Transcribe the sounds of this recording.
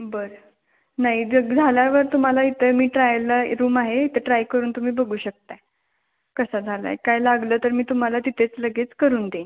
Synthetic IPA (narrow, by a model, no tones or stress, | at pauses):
bəɾə | naɦiəd͡zʱaljaʋəɾt̪um̤alait̪ʰəmiːʈɾajləɾuːmaɦeit̪ʰəʈɾajkəɾuːnt̪um̤iːbəɡʱuːɕək̚t̪ae | kəsad͡zʱala̰ḛkajlaɡləːt̪əɾmiːt̪um̤alat̪it̪ʰet͡sləɡet͡skəɾuːnd̪en